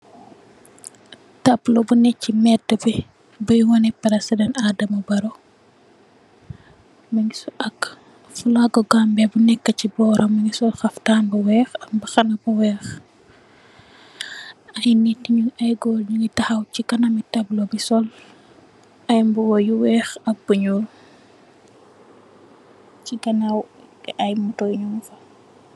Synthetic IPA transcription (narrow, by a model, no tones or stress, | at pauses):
tɐblobunɛcːimɛdəbi | bujwɐnɛpːɐdɐsɐdɐnaːdɐmɐbɐɾɔ | mɐŋɡisuʔɐk | fulaɡɔɡambɛbunɛkːɐcibɔːɾʔɐmɐŋɡisɔlxɐftaːnbɐwɛːxɐmbɐxɐnɐbuwɛːx | ʔɐjnitiɲuɐjɡɔlɲiŋɡitɐxɐwcikɐnɐmitɐblɔbisɔl | ʔɐjmbuwɔjuwɛːxɐk̚buɲul | t͡ʃiɡɐnawʔɐjmutɔjɲumfɐ